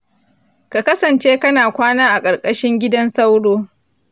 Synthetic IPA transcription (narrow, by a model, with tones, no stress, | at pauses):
ka˨kɐ˦sɐ˨nt͡ʃeː˦kɐ˦naː˨kʷaː˦naː˦ʔa˨kʼɐ˨rkʼɐ˦ʃɪ˦ŋɡʲɪ˦dɐ˦nsɐ˦wɽoː˦